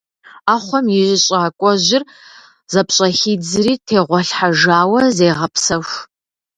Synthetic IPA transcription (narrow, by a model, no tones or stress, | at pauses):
aːχʷɔmjɪʒɪɕʼaːkʷʼɔʑɪr | z̥ɐpɕʼɐxiːd͡zɨriːtʰeːʁʷɔɬħaʒaːwɐzeːʁɐpsɐxʷ